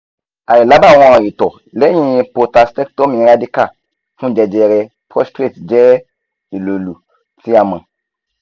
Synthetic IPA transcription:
a˨ɾi˨la˨˦ba˦˨w̃ã˨i˨tɔ˨ | lɛ˦ɲĩ˨jpo˨ta˨stɛ˦k̚to˦mĩ˨ɾa˦di˦ka˦˨ | fũ˦d͡ʒɛ˨d͡ʒɛ˨ɾɛ˨ | pɾɔ˦stɾe˦˨td͡ʒɛ˦ | i˨lo˨lu˨ | ti˦a˨mã˨

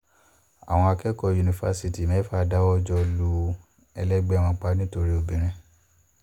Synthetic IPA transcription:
a̰˨w̃ɔ̃˧a˧kɛ˦kɔ˧ju˨nĩ˨fa˧si˦ti˨mɛ̃˨˦fa˦˨da˦wɔ˦d͡ʒɔ˧lu˧˦ | ɛ˧lɛ˦ɡ͡bɛ˦˨wɔ̃˧k͡pa˦nĩ˦to˧ɾi˦o˦˨bĩ˨˦ɾ̃ɛ̃˦˨

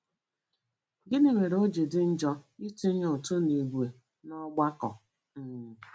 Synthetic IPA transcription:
ɡɪ˦ni˨ŋʷe˨ɾo˦d͡ʒe˨dɪ˦n̩˦d͡ʒɔ˦i˦ti˦ɲ˦o˨to˦ni˨ɡu˨e˨ | nɔ˦ɡ͡ba˦kɔ̰˨ | m̩˨

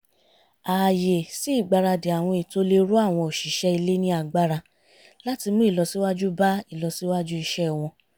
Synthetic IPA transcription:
a˨je˨si˨˦i˦˨ɡ͡ba˧ɾa˧de˨a˨w̃ɔ̃˧i˨to˧˦le˧ɾu˦a˦˨w̃ɔ̃˧o˨ʃi˨ʃɛ˦i˧le˦nĩ˦a˧˨ɡ͡ba˦ɾa˧ | la˦ti˧mũ˦i˦˨lɔ˨˧si˦wa˦d͡ʒu˦ba˦i˦˨lɔ˧si˦wa˦d͡ʒu˦i˧ʃɛ˦w̃ɔ̃˧

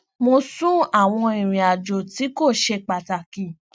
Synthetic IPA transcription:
mo˧sũ˦a˦˨w̃ɔ̃˧i˨ɾ̃ĩ˨a˨d͡ʒo˨ti˨˦ko˦˨ʃe˧k͡pa˨ta˨kĩ˨

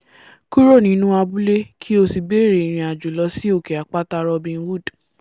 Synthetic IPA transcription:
ku˦ɾo˦˨nĩ˧˦nũ˦a˧bu˦le˦kʰi˦o˧si˧be˦˨ɾe˨i˨ɾ̃ĩ˧a˨d͡ʒo˨lɔ˧si˦o˦˨kɛ˨a˨k͡pa˦ta˦˧ɾɔ˧bĩ˧n̩˦wu˦˨d

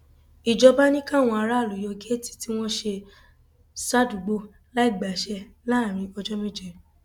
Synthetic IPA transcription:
i˨d͡ʒɔ˧ba˦nĩ˦kã˦˨w̃ɔ̃˧a˧ɾa˦˨lo˨jɔ˧ɡe˦ti̥˦ti˦w̃ɔ̃˦ʃe˧ | sa˦du˨ɡ͡bo˧ | la˦i˦˨ɡ͡ba˨ʃɛ˧ | la˦˨ɾ̃ĩ˧ɔ˧d͡ʒɔ˦mẽ˦˨d͡ʒɛ˧˨

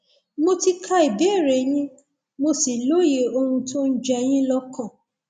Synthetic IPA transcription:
mo˧ti˧kʰa˦˧i˨bɛ˦˨ɾe˨j̃ĩ˦ | mo˧si˨lo˦je˨˧o˧hũ˧to˦n̩˦d͡ʒɛ˧j̃ĩ˦lɔ˦kɔ̃˦˨

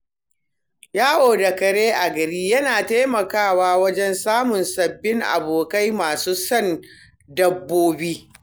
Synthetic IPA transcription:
jaː˦ʔoː˨da˨kɐ˨ɽeː˦ʔa˨ɡɐ˨ɾiː˦jɐ˦naː˨taː˦mɐ˨kaː˦˨waː˦wɐ˦d͡ʒɛ˦nsaː˦mʊ˨nsɐ˨bːɪ˦ŋʔa̰˨boː˨ka˦jmaː˨suː˦sɐ˦˨n | dɐ˦bːoː˦biː˦

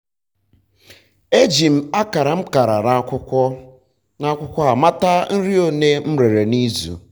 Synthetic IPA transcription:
e˦d͡ʒi˨m̩˨a˦ka˨ɾa˨m̩˦ka˨ɾa˨ɾa˨˦kʷʊ˦kʷɔ˦ | na˦kʷʊ˦kʷɔ˦a˨ma˦ta˦n̩˦ɾi˦o˦ne˦m̩˦ɾe˨ɾe˨ni˦zṵ˨

